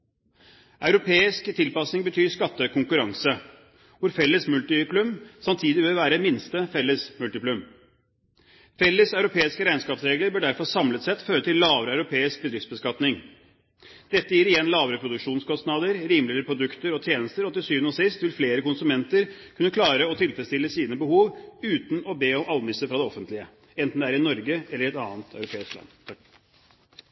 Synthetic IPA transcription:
ʔɑʉɾʊpʰeːɪskt̪ʰɪlpɑsnɪŋbət̪ʰyːskɑt̪ːəkʰʊŋkʉɾɑŋsə | ʋʊɾfɛlːəsmʉlt̪ɪplʉmsɑmt̪ʰiːd̪ɪʋeʋæːɾəmɪnst̪əfɛlːəsmʉlt̪ɪplʉm | fɛlːəsœʉɾʊpʰeːɪskəɾæɪnskɑːpsɾeːɡləɾbøɖæɾfɔsɑmlət̪sɛt̪ːføːɾət̪ʰɪllɑːʋəɾəɑʉɾʊpʰeːɪsk̚bəd̪ɾɪftsbəskɑt̪nɪŋ | d̪̥ɛt̪ːəjiːɾɪjɛnːlɑːʋəɾəpʰɾʊd̪ʉkʂuːnskɔst̪nɑːd̪əɾɾiːmlɪəɾəpʰɾʊd̪ʉkt̪əɾɔt̪ʰjeːnəst̪əɾɔt̪ːɪlsyːʋənoːsɪst̪ʋɪlfleːɾəkʊnsʉmɛnt̪əɾkʰʉnːəkʰlɑːɾəɔt̪ʰɪlfɾɛst̪ɪlːəsiːnəbəhuːʋʉːt̪n̩ɔbeːɔmʔɑlmɪsəfɾɑd̪ɛɔfənt̪lɪə | ɛnt̪n̩d̪ɛæːɾɪnɔɾɡəɛləɾɪɛt̪ɑːnt̪ʰɑʉɾʊpʰeːɪsklɑ̰nː

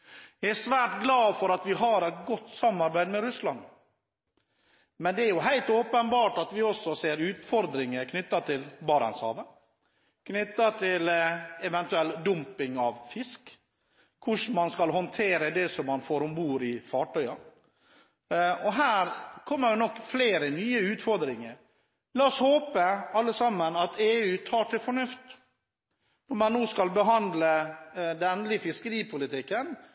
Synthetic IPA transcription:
jɛsʋæːʈɡlɑːfɔɾɑt̪ʋɪɦɑɾɛt̪ɡɔt̪ːsɑmːɑɾbæɪd̪mɛɾʉslɑn | mɛnd̪ɛæɾjʊɦæɪlt̪oːpənbɑːʈɑt̪ʋɪɔsːɔseːɾʉːt̪fɔɾd̪ɾɪŋəkʰnʏt̪ːɑt̪ʰɪlbɑːɾɑ̰nshɑ̰ːʋə | knʏt̪ːɑt̪ʰɪlɛʋɛnt̪ʉɛld̪ʊmpɪŋɑʋfɪskːʰ | ʊʂmɑnskɑlhɔnt̪ʰeːɾəd̪ɛsɔmːɑnfoːɾʊmbuːɾɪfɑːʈœʏɑ | ɔɦæːɾkʰɔmːəɾɛnɔkːfleːɾənyːəʉːt̪fɔɾd̪ɾɪŋəɾ | lɑːɔshoːpəɑlːəsɑmːənɑt̪ʰeːʉːt̪ʰɑːʈʰɪlfɔɳʉft̪ | nɔɾmɑnːoːskɑlbəɦɑnd̪ləd̪ɛnlɪfɪskəɾiːpʰʊlɪt̪ʰɪkːən

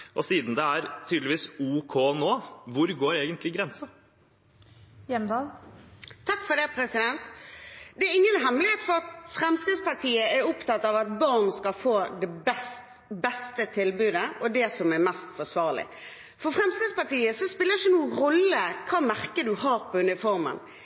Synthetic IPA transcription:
ʔɔsiːd̪n̩d̪ɛæɾt̪ʰyːd̪lɪʋiːsuːkʰoːnoːʋʊɾɡoːɾeːɡənt̪ʰlɪɡɾɛnsə | jɛmd̪ɑːl | t̪ʰɑkːfɔd̪ɛpʰɾɛsɪd̪ɛnt̪d̪ɛæɾɪŋːənɦɛmlɪeːt̪fɔɾɑt̪fʁɛmst̪ed̪spɑʁt̪ʰiːəɛɾɔpt̪ɑt̪ːɑʋɑt̪̚bɑʁnskɑfoːd̪ɛbɛst̪ | bɛst̪ət̪ʰɪlbʉːd̪əʔɔd̪ɛsɔmɛmɛst̪fɔsʋɑːʁlɪ̰ | fɔfɾɛmst̪ed̪spɑt̪iːəsɔspɪlːəʁɪçənuːəʁɔlːəkʰɑːmæʁkəd̪ʉhɑːɾpʰɔʉnɪfɔɾmə̰n

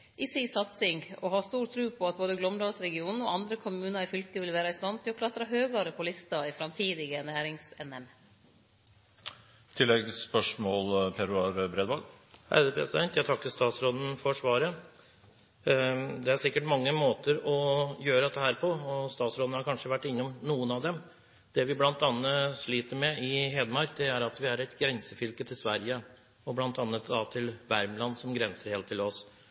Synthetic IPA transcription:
ʔɪsisɑt̪sɪŋɔɦɑːst̪uːɾt̪ʰɾʉːpʰɔɑt̪̚boːd̪əɡlɔmd̪ɑlsɾɛɡɪuːnn̩ɔʔɑnd̪ɾəkʰʊmʉːnɑɾɪfʏlk̪əʋɪlʋæːɾɑɪst̪ɑnt̪ʰːɪɔklɑt̪ːɾɑɦøːɡɑɾəpʰɔlɪst̪ɑɪfɾɑmt̪ʰiːd̪ɪɡənæːɾɪŋsɛnɛm | t̪ʰɪlːɛɡspœʂmɔːlpʰeɾʉɑɾbɾeːd̪ʋɑːlhæ̰d̪əpʰɾɛ̰sɪd̪ɛnt̪jæt̪ʰɑkːəst̪ɑːt̪sɾoːd̪n̩fɔʂʋɑːɾə | d̪ɛæɾsɪkːəʈmɑŋːəmoːt̪əɾɔjøːɾd̪ɛt̪ːəhæːɾpʰɔɔst̪ɑːt̪sɾoːd̪n̩hɑɾkʰɑnʂəʋæʈːɪnːɔmnuːənɑʋd̪ɛm | d̪̥ɛʋɪblɑnt̪ɑnːəʂɭiːt̪əɾmɛɪɦeːd̪əmɑɾk̚d̪ɛæɾɑt̪ʋɪæɾɛt̪ɡɾɛnsəfʏlkət̪ʰɪlsʋæɾjə | ɔblɑnt̪ɑnːət̪d̪ɑt̪ʰɪlʋæɾmlɑnsɔmɡɾɛnsəɾheːlt̪ʰːɪlɔs

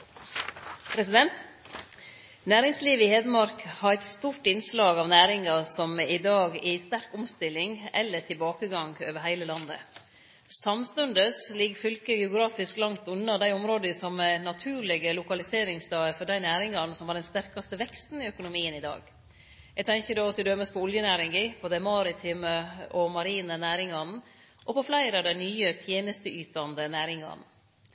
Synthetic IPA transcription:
pʰɾɛsɪd̪ɛnt̪ | næːɾɪŋsliːʋəɪheːd̪əmɑɾkhɑɾɛɪt̪st̪uːɾʈɪnslɑːɡɑʋnæːɾɪŋɑsɔmɪd̪ɑːɡæst̪æɾkʊmst̪ɪlːɪŋɛlːəʈʰɪlbɑːkəɡɑŋɡøːʋəɾɦæɪləlɑnd̪ə̰ | sɑmst̪ʉnd̪əslɪɡfʏlkəɡɛʊɡɾɑːfɪsklɑŋt̪ʉnːɑd̪æɪɔmɾoːd̪əsɔmɛnɑt̪ʰʉːɾlɪɡəlʊkɑlɪseːɾɪŋsd̪ɑːəfɔɖæɪnæːɾɪŋɑnsɔmhɑɖɛnst̪æɾkɑst̪əʋɛkst̪n̩ɪœkʊnʊmiːənɪd̪ɑ̰ːɡ | jæɡt̪ʰɛŋçəd̪oːɑt̪d̪ɪd̪øːməspʰɔʊljənæːɾɪŋɡɪpʰɔd̪ɛmɑːɾɪt̪ʰɪməʔɔmɑɾiːnənæːɾɪŋɑn | ʔɔpʰɔflæɪɾəɑʋd̪æɪnyːət̪ʰjeːnəst̪əʔyːt̪ɑnd̪ənæːɾɪŋɑ̰n

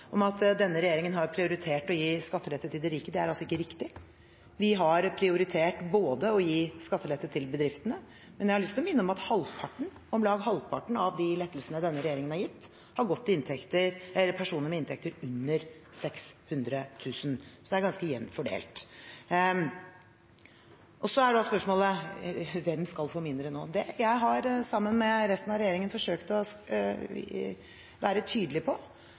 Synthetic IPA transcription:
ʔɔmɑt̪d̪ɛnːəɾɛjeːɾɪŋənɦɑɾpʰɾɪʊɾɪt̪ʰeːʈɔjiːskɑt̪ʰːəlɛt̪ːət̪ʰɪld̪ɛɾiːkəd̪ɛæɾɑlsɔɪkːəɾɪkt̪ɪ | ʋɪɦɑɾpʰɾɪʊɾɪt̪ʰeːʈboːd̪əɔjiːskɑt̪ʰːəlɛt̪ʰːət̪ʰɪlbəd̪ɾɪft̪ənə | mɛnjæhɑɭʏst̪lɔmɪnːəɔmɑt̪hɑlpʰɑʈɳ̩ | ɔmlɑːɡɦɑlpʰɑʈɳ̩ɑʋd̪ɪlɛt̪ːəlsənəd̪ɛnːəɾɛjeːɾɪŋənhɑɾjɪt̪ː | hɑɾɡɔt̪ːɪɪnt̪ʰɛkt̪əɾɛlːəpʰæʂuːnəɾmɛɪnt̪ʰɛk̚t̪əɾʉnːəɾsɛkshʉnd̪ɾət̪ʰʉːsnsɔd̪ɛæɾɡɑnskəjɛnːfɔɖḛːlt̪ | ʔɔsɔæɖɑspœʂmoːlə | ʋɛmskɑlfoːmɪnd̪ɾəno̰ːd̪ɛjæɪɦɑɾsɑmːənmɛɾɛst̪ənɑɾɛjeːɾɪŋənfɔʂøːkt̪ɔ | ʋæːɾət̪ʰyːd̪əlɪpʰɔ

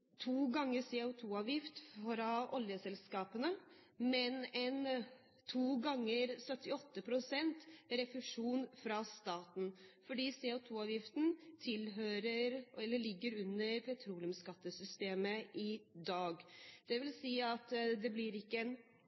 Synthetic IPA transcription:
t̪ʰuːɡɑŋːəsɛʊt̪ʰuːɑːʋjɪft̪fɾɑʔɔljəsɛlskɑːpənəmɛnɛn | t̪ʰuːɡɑŋːəɾsœt̪ːɪɔt̪ːəpʰɾʊsɛnt̪ɾɛfʉʂuːnfɾɑst̪ɑːt̪n̩fɔɖiːsɛʊt̪ʰuːɑːʋjɪft̪n̩t̪ʰɪlɦøːɾəɾɛlːəɭɪɡːəɾʉnːəɾpʰɛt̪ʰɾuːlɪʉmskɑt̪ːəsʏst̪eːməʔɪd̪ɑːɡd̪̥ɛʋɪlsiːɑt̪d̪ɛblɪɾɪkːəɛn

